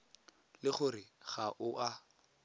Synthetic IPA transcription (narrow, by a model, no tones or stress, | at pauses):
lɪχʊrɪɣaʔʊʔa